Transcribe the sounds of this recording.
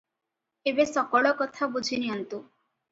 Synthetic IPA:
ebesɔkɔɭɔkɔt̪ʰabud͡ʒʱiniɦɔnt̪u

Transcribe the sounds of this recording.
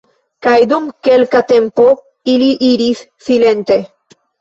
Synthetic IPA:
kajd̪umke̞lkat̪e̞mpo̞ | iliʔiɾisːile̞nt̪e̞

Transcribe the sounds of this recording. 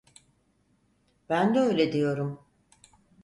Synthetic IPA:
b̥ænd̪ɛø̞jlʲed̪ijo̞ɾum

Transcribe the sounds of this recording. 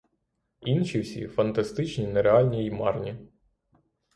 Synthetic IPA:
inʃʲiwsʲḭfɐnt̪ɐst̪ɪt͡ʃnʲinɛɾeɑlʲnʲijmɑrnʲi

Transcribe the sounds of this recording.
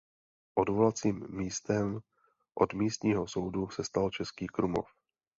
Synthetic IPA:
ʔodvolat͡siːmːiːst̪ɛm | ʔodmiːst̪ɲiːɦo̞so̞wdusɛst̪alt͡ʃɛskiːkɾumo̞̰f

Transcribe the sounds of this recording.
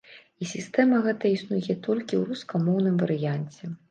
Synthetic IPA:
isʲist̪ɛmɐɣɛt̪ɐisnujɛt̪ʰɔlʲkʲiwɾuskɐmɔwnɨmvɐɾɨjanʲt͡sʲɛ

